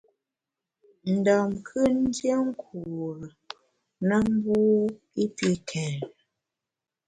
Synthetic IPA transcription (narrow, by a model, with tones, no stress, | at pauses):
n̩˨dɔ˨mkʰɨ˦n̩˦djə˦ŋ̩˦ku˨ɾə˨ | nə˦m˦bu˦ | i˦pi˦kʰɛ˨ɾ